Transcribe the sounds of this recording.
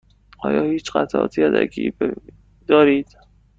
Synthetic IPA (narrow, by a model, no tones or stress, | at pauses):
ʔɒ̰ːjɒːhiːt͡ʃɢæt̪ʰʔɒ̰ːt̪ʰiːæd̪æ̰ɡḭːbe | d̪̥ɒːɾiːd̪̥